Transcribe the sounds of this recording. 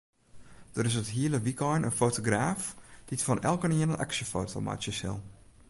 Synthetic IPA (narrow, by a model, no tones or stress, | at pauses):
d̥ərɪsətɦiələʋikɔjnʔə̰nfoːtoɡraːfd̥itfɔnʔɛ̰lˠkəniənənʔa̰ksəfo̰ːtʰo̰ma̰tjəshɪ̰lˠ